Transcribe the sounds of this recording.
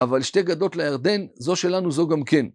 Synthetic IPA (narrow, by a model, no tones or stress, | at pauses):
avalʃte̞ɡado̞tlejaʁd̪e̞nzo̞ʃe̞lanuzo̞ɡamke̞n